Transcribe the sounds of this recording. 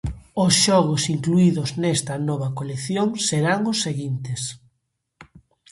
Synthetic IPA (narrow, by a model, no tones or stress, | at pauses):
ʊsʃɔɣʊsiŋkluiðʊznɛst̪ɐnɔβɐkoleθjoŋseɾaŋʊsːeɣint̪es